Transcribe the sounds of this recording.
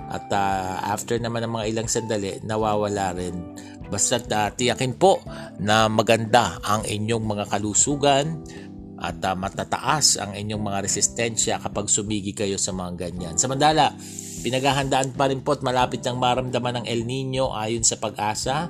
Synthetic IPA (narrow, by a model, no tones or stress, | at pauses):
ʔɐ̰t̪aʔa̰ft̪ɛɹnɐmanːɐŋmɐŋaʔɪlaŋsɐnd̪ɐlɛnɐwaːwɐlaːɾɛn | bɐst̪at̪at̪ɪjɐkɪnpo̞ʔ | nɐmɐɡɐnd̪aʔɐŋɪɲo̞ŋmɐŋakɐluːsuːɡɐn | ʔɐ̰t̪ːmɐt̪at̪ɐ̰ʔasɐ̰ŋɪɲo̞ŋmɐŋaɾɛsɪst̪ɛnʃɐkɐpaɡsʊmiːɡɪkɐjo̞sɐmɐŋaɡɐɲansɐmɐnt̪aːla | pɪnɐɡaːɦɐnd̪aʔanpɐɾɪnpo̞ʔɐt̪̚mɐlaːpɪt̪̚nɐŋmaɾɐmd̪ɐmanɐŋʔɛlniɲo̞ʔaːjonsɐpɐɡʔaːsɐ